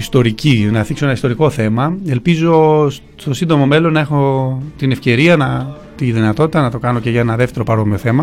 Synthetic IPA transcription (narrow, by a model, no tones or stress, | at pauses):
ist̪o̞ɾicinɐθiksoenɐist̪o̞ɾiko̞θe̞mɐe̞lpizo̞s | st̪o̞sind̪o̞mo̞me̞lo̞nːɐe̞xo̞t̪inefce̞ɾiɐnɐ | t̪iðinɐt̪o̞t̪it̪ɐnɐt̪o̞kɐno̞ce̞ʝɐenɐðeft̪e̞ɾo̞pɐɾo̞mio̞θe̞mɐ